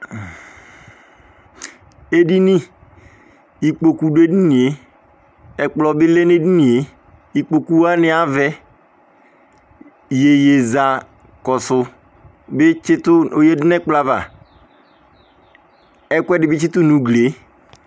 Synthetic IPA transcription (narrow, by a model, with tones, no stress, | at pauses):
e˦di˦ni˦ | i˨k͡po˨ku˨de˦di˦nĩ˨e˨ | ɛ˨k͡plɔ˨bɪ˦le˦ne˦di˦ni˨e˨ | i˨k͡po˨ku˦a˦nɪ˨a˦vɛ˦ | je˨je˨za˨ | kɔ˨sʊ˨ | bɪ˦t͡ʃɪ˦tʊ˦o˨je˦dɪ˦nɛ˦k͡pla˨va̰˨ | ɛ˦kʷɛ˦dɪ˨bɪ˦t͡ʃɪ˦tʊ˦nũ˨ɡle˨˦